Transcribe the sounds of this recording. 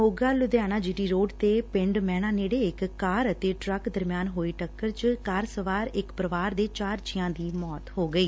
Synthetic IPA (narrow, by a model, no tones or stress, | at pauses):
ɦoːɡaːlʊd̪jaːñaːd͡ʒiːʈiːɾoːɖt̪eːpɪ̃ɳɖmɛːɽ̃ãːneːɽeːɪkːaːɾət̪eːʈɾəkd̪əɾmjaːnɦoːiːʈəkːəɾt͡ʃkaːɾsəʋaːɾɪkpɾəʋaːɾd̪eːt͡ʃaːɾt͡ʃɪjãːd̪iːmɔːt̪ɦoːɡəiː